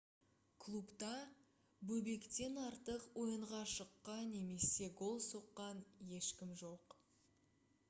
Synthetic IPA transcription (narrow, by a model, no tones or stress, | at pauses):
kʰlˠupt̪ɑ | bɵbe̞kt̪e̞nɑɾt̪əqwo̞jəɴʁɑʃəqːɑnːe̞me̞se̞ɡo̞lˠso̞qːɑnje̞ʃkʲɪmʒo̞q